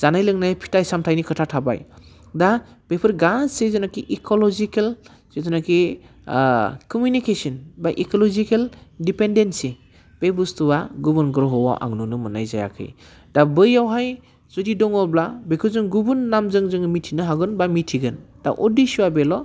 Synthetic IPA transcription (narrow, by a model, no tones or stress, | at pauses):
z̥anajlɯŋnajpʰi̥tajsamtʰajnikʰɯtʰatʰaba̰j | da | b̥epʰɯɾɡasezɔnakiʔikʰɔlɔzikel | sezɔnaki | kɔmjunikesɔnbaʔikɔlɔzikeldipendensi | b̥ebustubaɡubunɡɾɔɦɔwa̰wʔa̰ŋnunumɯnajza̰ja̰kʰɯ̰j | d̥abɯjawɦaj | z̥ɔdidɔŋɔblabekʰɯzɯŋɡubunːamzɯŋzɯŋmitʰinɯɦaɡɯnbamitʰiɡɯnd̥a̰ʔɔdisuwabelɔ